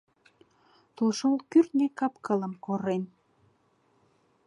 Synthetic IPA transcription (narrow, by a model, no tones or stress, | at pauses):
t̪ulʃolkyrt̪nekɑpkələmkoɾen